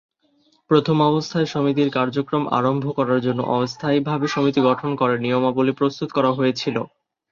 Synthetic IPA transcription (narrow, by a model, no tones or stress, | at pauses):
pɾot̪ʰomɔbost̪ʰaeʃomit̪iɾkaɾd͡ʑokɾoma̰ɾombʱokɔɾaɾd͡ʑonːo̰ʔɔbost̪ʰajbʱabeʃomit̪iɡɔʈʰonkɔɾenijomabolepɾost̪ut̪okɔɾaɦojet͡ɕʰilo